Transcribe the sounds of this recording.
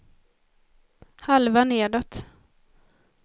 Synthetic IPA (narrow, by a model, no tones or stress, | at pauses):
halvaneːɖ̪ɔt̪